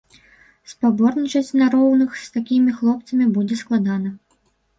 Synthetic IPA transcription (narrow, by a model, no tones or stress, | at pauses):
spabɔrnʲit͡ʂɐsʲt͡sʲnaɾɔwnɨxst̪akʲimʲixlˠɔpt̪sɐmʲibud͡zʲɛsklˠad̪anɐ